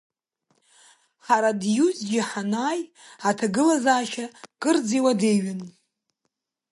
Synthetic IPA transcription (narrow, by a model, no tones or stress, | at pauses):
ħaɾadjuzɡʲɪħanaːjatʰaɡɨlazaːʃakʼɨrd͡ziwade̞jɥɪn